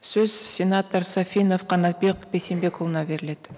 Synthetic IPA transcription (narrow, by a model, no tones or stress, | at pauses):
søz̥sʲɪnat̪əɾsafʲinofqʰɑnɑt̪̚be̞qb̥e̞sembekʰolˠnɑbe̞ɾɪle̞t̪